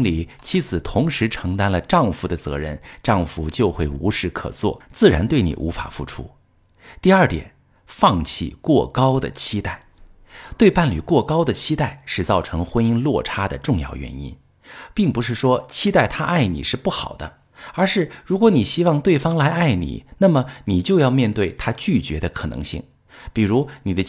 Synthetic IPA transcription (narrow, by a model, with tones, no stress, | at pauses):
ŋli˨˩˦t͡ɕʰi˧˥t͡sʰɹ̩˨˩t̪ʰʊ˧˥ŋʂɻ̩˧˥ʈ͡ʂʰɤ˧˥ŋt̪a˥nlə˨ʈ͡ʂɑ˥˩ŋfu˧˥d̪ə˧t͡sɤ̰˧˥ɻə̰˥˧nʈ͡ʂɑ˥˩ŋfu˧˥t͡ɕjo˥˧ʊxwe˥˩ɪu˧˥ʂɻ̩˥˩kʰɤ̰˨˩t͡swɔ̰˥˩t͡sɹ̩˥˩ɻa˧˥nt̪we˥˩ɪnḭ˨˩ʔṵ˧˥fa̰˨˩fṵ˥˩ʈ͡ʂʰṵ˥ | t̪i˥˧ə˞˥˩t̪jɛ̰˨˩˦n | fɑ˥˧ŋt͡ɕʰḭ˥˩kwɔ˥˩kɑ˥ʊd̪ə̰˨t͡ɕʰi˥t̪a˥˩ɪ | t̪we˥˧ɪpa˥˩nly˨˩kwɔ˥˩kɑ˥ʊd̪ə˨t͡ɕʰi˥t̪a˥˩ɪʂɻ̩˥˧t͡sɑ˥˩ʊʈ͡ʂʰɤ˧˥ŋxwə˥ni˥nlwɔ̰˥˩ʈ͡ʂʰa˥d̪ə̰˨ʈ͡ʂʊ˥˧ŋjɑ̰˥˩ʊɥɛ̰˧˥nḭ˥n | pi˥˩ŋpu˧˥ʂɻ̩˥˩ʂwɔ˥t͡ɕʰi˥t̪a˥˩ɪt̪ʰa˥ʔa˥˩ɪnḭ˨˩ʂɻ̩˥˧pu˥˩xɑ˨˩ʊd̪ə˦ | ə˞˧˥ʂɻ̩˥˩ɻu˧˥kwɔ˧˥ni˨˩ɕi˥wɑ˥˧ŋt̪we˥˩ɪfɑ˥ŋla˧˥ɪa˥˩ɪnḭ˨˩˦na˥˩mə˩ni˨˩t͡ɕjo˥˧ʊjɑ˥˧ʊmjɛ˥˧nt̪we˥˩ɪt̪ʰa˥t͡ɕy˥˩t͡ɕɥɛ̰˧˥d̪ə˧kʰɤ˨˩nɤ̰˧˥ŋɕḭ˥˩ŋ | pi˨˩ɻu˧˥ni˨˩d̪ə˦